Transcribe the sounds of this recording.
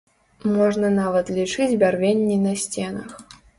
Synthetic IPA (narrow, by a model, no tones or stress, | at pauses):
mɔʐnɐnavɐt̪lʲit͡ʂɨd͡zʲbʲarvʲenʲːinɐsʲt͡sʲenɐx